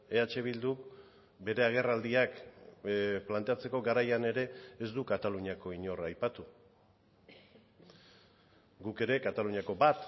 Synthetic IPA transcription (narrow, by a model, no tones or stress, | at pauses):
e̞at͡ʃe̞β̞ild̪uk | be̞ɾe̞aɣ̞e̞rald̪iak | plant̪e̞at͡se̞ko̞ɡaɾajane̞ɾe̞ːzd̪ukat̪aluɲiako̞iɲo̞rajpat̪u | ɡuke̞ɾe̞kat̪aluɲako̞bat̪